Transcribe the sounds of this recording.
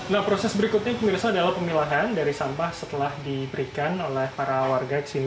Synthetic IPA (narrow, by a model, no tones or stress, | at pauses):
nahpɾosɛsbəɾikʊt̪̚ɲapəmirsaːdalahpəmilaɦandaɾisambahsət̪əlahdibəɾikanolɛhpaɾawarɡat͡ʃini